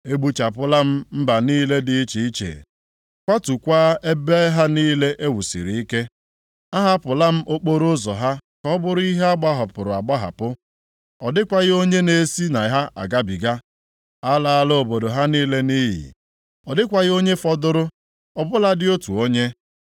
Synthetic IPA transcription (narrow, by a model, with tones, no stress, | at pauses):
e˦ɡ͡bu˦t͡ʃa˨pʊ˦la˦m̩˦m̩˦ba˨niː˦le˦dɪ˦i˦t͡ʃi˨˦t͡ʃḛ˨ | kʷa˦tu˨kʷaː˦e˦be˦ɦa˦niː˦le˦ʔe˦wu˨sḭ˨ɾi˨i˦ke˦ | a˦ɦa˦pʊ˨la˦m̩˦ʔo˦k͡po˦ɾʊ˦zɔ˨ɦa˦kɔ˦bʊ˦ɾʊ˦i˦ɦe˦a˦ɡ͡ba˦ɦɔ˨pʊ˨ɾʊ˨a˨ɡ͡ba˦ɦa̰˨pʊ˦ | ɔ˨dɪ˦kʷa˨ɣɪ˦o˦ɲe˦ne˨˦si˦na˨ɦa˦ʔa̰˨ɡa˦bi˨ɡa˦ | a˦la˨a˨lo˦o˨bo˨do˨ɦa˦niː˦le˦ni˦ɦḭ˨ | ɔ˨dɪ˦kʷa˨ɣɪ˦o˦ɲe˦fɔ˦dʊ˦ɾʊ˦ | ɔ˨bʊ˦la˦dɪ˦o˦tu˨o˦ɲe˦